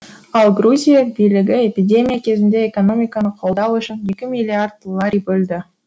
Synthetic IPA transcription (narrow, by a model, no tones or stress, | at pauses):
ɑlˠɡruzʲijabijlɪɡʲɪe̞pʲidʲe̞mʲijakʲʰe̞zɪnd̪e̞eko̞no̞mʲijkɑnəqʰo̞lˠd̪ɑwʏʃɪnje̞kʲɪmʲilʲiard̪̚ːo̞lˠːaɾʲijbɵld̪ɪ